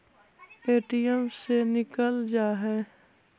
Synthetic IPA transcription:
eːʈijəmsenɪkəld͡ʒaːɦɛː

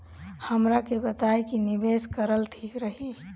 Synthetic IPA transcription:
həmɾakebət̪aekinibeskəɾəlʈʰikɾəɦi

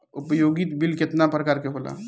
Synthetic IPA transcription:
ʊpəjoːɡit̪bilkɪt̪napɾəkaːɾkeɦoːla̰

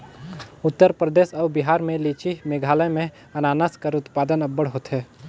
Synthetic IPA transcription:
ʊt̪ːəɾpɾəd̪eːʃɔːbɪɦaːɾmẽliːt͡ʃimeːɡʱaːləmẽ | ɐnaːnəskəɾʊt̪paːd̪ənɐbːəɽɦoːt̪ɦɛː

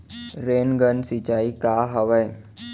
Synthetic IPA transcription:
ɾeːnɡənsɪt͡ʃaːikaːɦəʋəj

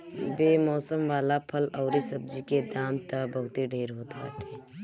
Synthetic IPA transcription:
beːmɔːsəmʋaːlapʰəlɔːɾisɐb̚d͡ʒiked̪ãːnt̪ɐbɐɦʊt̪iɖʱeːɾɦoːt̪at̪ʰeː

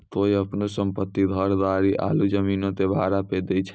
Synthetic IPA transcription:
t̪oiəpnosəmpət̪ːid̪ʱəɾd̪aɾiʔa̰lud͡ʒəminõt̪ebʱaɾaped̪et͡ʃʰ

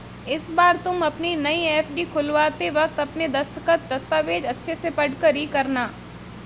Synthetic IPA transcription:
ɪsbaːɾt̪ʊmɐpninɐieːfʰɖikʰʊlʋaːt̪eʋɐkt̪ɐpned̪ɐst̪əkət̪̚d̪ɐst̪aːʋeːd͡ʒɐtːʃʰesepɐɽkəɾikɐɾnaː

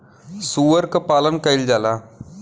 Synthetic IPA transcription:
suʋɐɾkɐpɐlɐmkɐjld͡ʒaːla

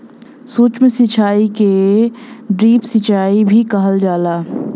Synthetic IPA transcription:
suːt͡ʃmẽsɪt͡ʃʰaːike | ɖɾiːpsɪt͡ʃʰaːibʱikəɦəld͡ʒaːlaː

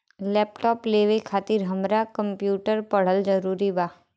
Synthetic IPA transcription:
lɛːpʈɔːpleːʋekʰaːt̪ɪɾɦəmɾakə̃mpjuːʈəɾpəɽ̤əld͡ʒəɾuːɾibaː

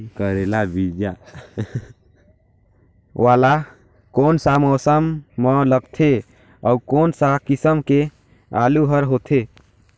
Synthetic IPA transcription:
kəɾelabid͡ʒa | wala | koːnsamɔːsəmːɔləɡt̪ʰe | aukoːnsakisəmke | aluɦəɾɦot̪ʰe

